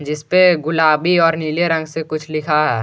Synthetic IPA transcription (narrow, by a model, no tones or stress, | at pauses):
d͡ʒɪspeɡʊlaːbiɔːɾniːljeɾə̃ŋɡsekʊt͡ʃʰlɪkʰaɦɛː